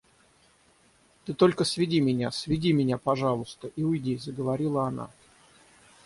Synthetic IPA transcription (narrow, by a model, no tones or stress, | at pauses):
t̪ɨt̪o̞lʲkəsvʲɪdʲimʲɪnʲasvʲɪdʲimʲɪnʲapɐʐɑlˠʊst̪əʔiʊjdʲizəɡəvɐɾʲilˠəɐna̰